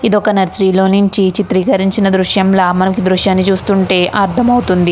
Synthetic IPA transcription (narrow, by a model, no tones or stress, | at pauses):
id̪ɔkɐnɐɾsɾiːlo̞ːnuɲt͡ʃit͡ʃit̪ɾiːkɐɾiɲt͡ʃinɐd̪ɾuʃjɐmlaːmɐnɐkud̪ɾuʃjaːnːit͡ʃuːst̪uɳʈe̞ːʔʔaːɾt̪ʰɐmɐwt̪und̪i